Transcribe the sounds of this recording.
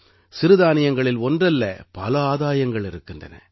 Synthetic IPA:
sɪɾɯðaːnɪjɐŋɡɐɭɪlɔndrɐlːɐ̰pɐlɐaːðaːjɐŋɡɐɭɪɾɯkːɪndrɐ̰nɐ̰

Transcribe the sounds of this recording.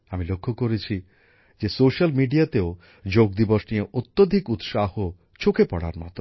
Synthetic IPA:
amilokʰːokoɾet͡ɕʰi | d͡ʑesoʃalmiɖiat̪eo | d͡ʑoɡ̚d̪iboʃnijeʔot̪ːod̪ʱikut̪ʃaho | t͡ɕʰokepɔɽa̰ɾmɔ̰t̪o

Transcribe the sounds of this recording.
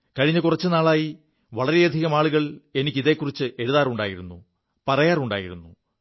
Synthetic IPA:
kɐɻiɲːɐkurɐt͡ɕːɨnaːɭaːji | ʋɐɭɐɾejɐd̪ʱiɣɐmaːɭuɣɐɭe̞nikʲːiðe̞ːkːurit͡ɕːɨʔe̞ɻuðaːruɳɖa̰ːjiɾunːṵ | pɐrɐjaːruɳɖaːjiɾunːu

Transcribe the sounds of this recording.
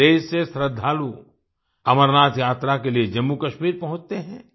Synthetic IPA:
eːd͡ʒsesɾəd̪ʱːaːlu | ɐməɾnaːt̪jaːt̪ɾakelied͡ʒɐmːukɐʃmiːɾpɐɦʊ̃t͡ʃt̪eɦɛ̃ː

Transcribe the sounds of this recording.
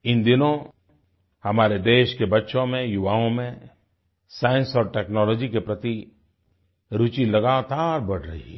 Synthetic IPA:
ɪnd̪ɪnõ | hɐmaːɾed̪eːʃkebɐtːʃõmẽjʊʋaːõmẽ | saːjə̃nsɔːɾʈɛːknɔːlɔːd͡ʒikepɾɐt̪i | ɾʊt͡ʃilɐɡaːt̪aːɾbɐɽ̤ɾɐɦḭ

